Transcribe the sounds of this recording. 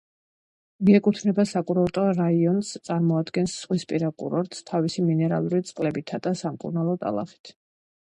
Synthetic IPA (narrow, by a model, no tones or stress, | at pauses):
miɛkʼut̪ʰnɛbasakʼuɾalˠt̪ʼɔɾaiɔnst̪sʼaɾmɔad̪ɡɛnsːʁwispʼiɾakʼṵɾɔɾt̪st̪ʰavisiminɛɾa̰lˠuɾit̪sʼqʼlɛbit̪ʰad̪asamkʼṵɾnalˠɔt̪ʼa̰lˠa̰χi̥t̪ʰ